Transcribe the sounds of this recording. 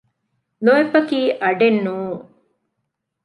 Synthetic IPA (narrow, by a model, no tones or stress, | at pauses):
loefɐkiːʔɐɖenːuːŋ